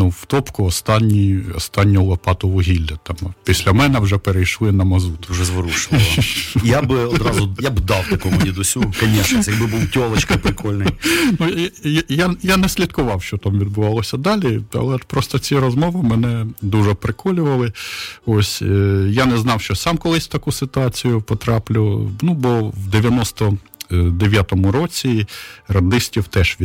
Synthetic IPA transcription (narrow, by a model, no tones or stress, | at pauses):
nuwt̪ɔpkʊɔst̪ɑnʲːiɔ̰st̪ɑnʲːɔlˠɐpɑt̪ʊʋʊɦʲilʲːɐt̪ɑmpʲisʲlʲɐmɛnɛwʒɛpeɾejʃlˠɪnɐmɐzut̪ʊ̥uʒɛzʋɔɾuʃɪ | jabɔd̪ɾɑzʊjabd̪ɑwt̪ɐkɔmʊlʲid̪ʊsʲukɐnʲɛʃnʲɛsjɐɡbɪbuwtʲɔlˠɐt͡ʃkɐpɾɪkɔlʲnɪjnujjajanɛsʲlʲid̪kʊʋɑwʃt͡ʃɔt̪ɑmʋʲid̪̚bʊʋɑlˠɔsʲɐd̪ɑlʲiɐ̰lˠɛpɾɔst̪ɔt͡sʲiɾɔzmɔʋɪmɛnɛd̪uʒɛpɾɪkʰɔlʲʊʋɐlˠɪosʲjanɛznɑwʃt͡ʃɔsɑmkɔlˠɪsʲt̪ɐkusɪt̪ʊɑt͡sʲijʊpɔt̪ɾɑplʲʊnubɔwd̪eʋʲjɐnɔst̪ɔ | d̪eʋʲjat̪ɔmʊɾɔt͡sʲirɐnd̪ɪsʲtʲiwt̪ɛʃʋʲi